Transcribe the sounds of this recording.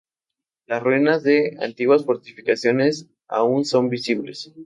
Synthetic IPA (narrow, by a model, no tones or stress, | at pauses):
lasrinazðe̞a̰nt̪iɣwasfo̞ɾt̪ifikasjo̞ne̞s | a̰unso̞mbisiβle̞̰s